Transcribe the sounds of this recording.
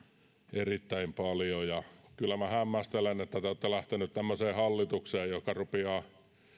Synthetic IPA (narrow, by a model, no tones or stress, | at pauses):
erit̪ːæimpɑljojɑkylːæmæhæmːæst̪elenet̪ːæt̪eoːt̪ːelæht̪enyt̪t̪æmːøseːhɑlːit̪ukseːjjokːɑrupeɑː